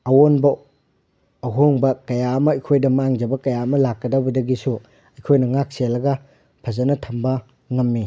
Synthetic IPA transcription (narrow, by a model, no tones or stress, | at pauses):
ɐwonbɐ | ɐɦoŋbɐkɐjaɐmɐɐjkʰojdɐmaŋd͡ʒɐbɐkɐjaɐmɐlakːɐdɐbɐdɐɡisu | ɐjkʰojnɐŋak̚selːɐɡɐ | pʰɐzɐnɐtʰɐmbɐ | ŋɐmːi